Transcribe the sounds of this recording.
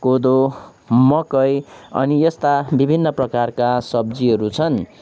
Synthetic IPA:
kod̪o | mʌkʌjʌ̰nijʌst̪abibʱinːʌprʌkarkasʌbd͡ziɦʌɾut͡sʰʌn

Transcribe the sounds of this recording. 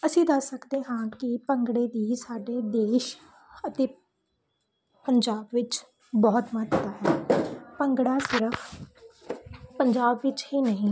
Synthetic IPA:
əsĩːd̪əsːəkd̪eːɦãːkɪpəŋɡɽeːd̪iːsaːɖeːd̪eːʃ | ət̪eː | pəɲd͡ʒaːbʋɪt͡ʃ | bɔːt̪mət̪t̪aɛːpəŋɡɽaːsɪɾəkʰ | pəɲd͡ʒaːbʋɪt͡ʃhiːnəɦĩː

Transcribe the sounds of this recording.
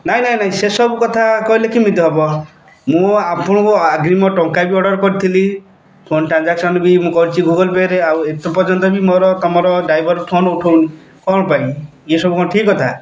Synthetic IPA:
naɦĩnaɦĩnaɦĩsesɔbukɔt̪ʰakɔilekimid̪ʱɔɦebɔ | mũapɔɽ̃ɔkuaɡɾimɔʈɔŋkabiɔɽɔɾkɔɾit̪ʰili | pʰonʈɾand͡ʒaksɔnbimũkɔut͡ʃʰiɡuɡɔlpeɾeawet̪upɔɾt͡ʃɔnt̪ɔbimɔɾɔt̪ɔmɔɾɔɖajbʱɔɾpʰonuʈʰowni | kɔɦɔɽ̃ɔpaĩ | esɔbukɔʈʰikɔt̪ʰa

